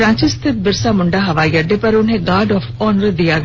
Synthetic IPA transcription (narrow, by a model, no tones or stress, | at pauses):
ɾãːɲt͡ʃɪst̪ʰɪt̪̚bɪɾsaːmʊɳɖaːɦɐʋaːjəɖeːpəɾʊnɦẽːɡaːɖɔːfʰɔːnəɾd̪ɪjaːɡ